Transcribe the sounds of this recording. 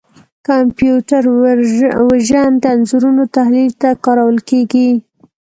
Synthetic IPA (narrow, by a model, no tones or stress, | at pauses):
kampjuʈaɾ | waʒand̪əanzuɾunot̪ahlilt̪akɑɾawəlkeɡi